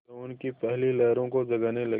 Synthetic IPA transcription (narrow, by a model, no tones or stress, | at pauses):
ʊnkipɛɦlilɛːɾõkod͡ʒɐɡaːnelɐ